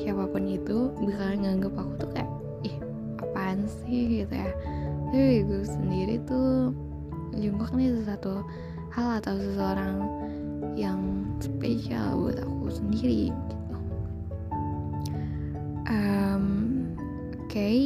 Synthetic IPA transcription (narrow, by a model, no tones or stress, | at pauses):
kapapʊnit̪ubəkarŋaŋɡəpakut̪uka̰ja | ih | apansɪhɡit̪ṵjatewiɡusəndiɾit̪u | d͡ʒuŋkak̚nisəs̬at̪u | halat̪ausəsəoɾaŋ | jaŋsəpeʃia̰lbua̰t̪akusəndiɾiɡit̪u | ʔəm | kai